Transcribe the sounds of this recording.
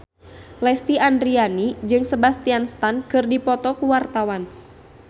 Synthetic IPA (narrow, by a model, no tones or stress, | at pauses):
lɛst̪iandɾianid͡ʒɨŋsəbast̪ianst̪ankɨrdipɔt̪ɔkuwart̪awan